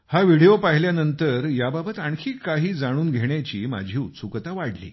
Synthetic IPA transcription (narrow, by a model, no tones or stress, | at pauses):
haʋiɽijopaɦiljanənt̪əɾjababət̪aɳkʰiːkaɦiːd͡zaɽ̃uːnɡʱeɳjat͡ɕiːma̰d͡ʑʱiːut̪sukət̪aʋaɽlḭː